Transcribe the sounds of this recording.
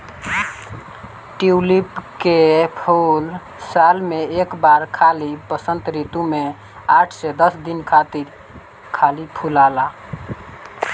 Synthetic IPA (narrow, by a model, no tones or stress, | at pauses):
ʈiulipkepʰol | salmeekbaɾkʰalipəsə̃nt̪ɾit̪ume | aʈʰsed̪əsd̪inkʰat̪iɾ | kʰalipʰulala